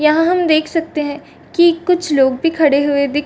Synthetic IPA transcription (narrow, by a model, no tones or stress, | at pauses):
jɐɦãɦɐmd̪eːkʰsɐk̚t̪eɦɛ̃ː | kikʊt͡ʃʰloːɡbʱikʰɐɽeɦʊed̪ɪk